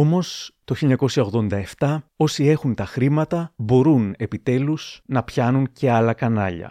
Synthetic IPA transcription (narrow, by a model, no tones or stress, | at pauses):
o̞mo̞st̪o̞çiliɲɐko̞siçɐo̞ɣðo̞nd̪ɐe̞ft̪ɐo̞sie̞xunt̪ɐxɾimɐt̪ɐbo̞ɾune̞pit̪e̞lusnɐpçɐnunce̞ɐlɐkɐnɐ̰ʎɐ̰